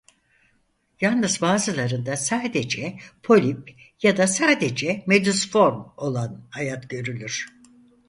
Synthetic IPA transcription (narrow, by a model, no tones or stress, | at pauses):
jalˠnɯzbaːzɯlˠaɾɯnd̪asaːd̪e̞d͡ʒɛpʰo̞lʲip | jad̪asaːd̪e̞d͡ʒɛmed̪usfo̞ɾmo̞lˠanajat̪ɟø̞ɾylʲyɾ̥